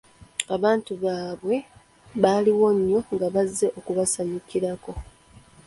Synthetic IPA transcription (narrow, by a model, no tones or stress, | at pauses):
aβaːntuβaːβwe̞ | βaːliwo̞ɲːo̞ŋɡaβazːe̞ʔo̞kuβasaɲikiɾako̞